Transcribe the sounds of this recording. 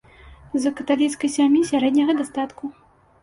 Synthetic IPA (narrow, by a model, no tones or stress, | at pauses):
zɐkɐt̪alʲit̪skɐjsʲamʲjisʲaɾɛd̪nʲɐɣɐd̪ast̪at̪ku